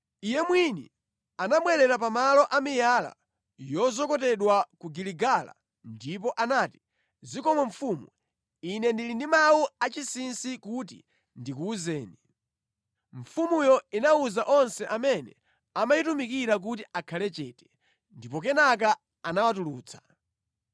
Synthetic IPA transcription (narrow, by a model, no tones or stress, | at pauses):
ijɛmwinḭ | anamwɛɾɛɾapamalɔʔamijala̰ | jɔzɔkɔtɛɗwakuɡiliɡala̰ | ndip̬ɔʔanaːti̥ | zikɔmɔɱfumu | inɛndilindimawuat͡ʃisinsikut̬ḭ | ndik̬uːzɛːni | ɱ̩fumujɔinauzaʔɔnsɛʔamɛnɛ | amajitumikiɾak̬utiʔakʰalɛt͡ʃɛːtɛ̥ | ndipɔkɛnak̬a | anawatuluːt͡sʰḁ